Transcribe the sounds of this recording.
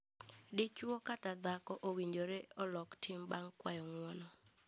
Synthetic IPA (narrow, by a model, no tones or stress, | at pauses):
dɪt͡ʃwɔkatad̪akɔʔowiɲd͡ʒoɾeɔlɔktʰɪmbaŋkwajɔŋwɔnɔ